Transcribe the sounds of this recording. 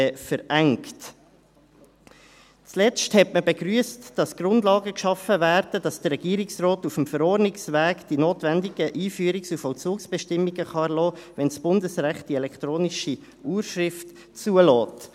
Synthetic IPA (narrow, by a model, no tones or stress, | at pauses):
fəɾæŋkt | t͡slɛt͡sthɛtməbɛɡɾyːəstd̥ɑsɡ̥rʊndlɑːɡəkʃɑfəvæːɾd̥əd̥ɑsd̥əɾɛɡ̥iːɾɪksrɔːtufəmfəɾɔːɾnɪksʋæːɡd̥inoːtʋændɪɡ̥əʔiːfyəɾɪksufɔlt͡suːksb̥ɛʃtɪmːiɡəχɑɛlɔːvɛnsb̥ʊndəsɾæχt̚d̥iɛlɛkt̪ɾoːnɪʃi | ʔuːɾʃrɪft | t͡suəlɔːt